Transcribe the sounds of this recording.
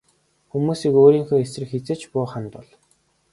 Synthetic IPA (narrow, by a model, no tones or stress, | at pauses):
xumuːsiːkoːɾiːŋxoːesrɘ̆kxet͡sĕːt͡ɕpʊːχănt̪ʊɮ